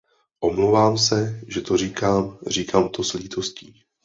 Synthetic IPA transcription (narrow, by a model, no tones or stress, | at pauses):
ʔo̞mlowvaːmsɛʒɛt̪o̞r̝iːkaːmr̝iːkʰaːmt̪o̞sliːt̪o̞sciː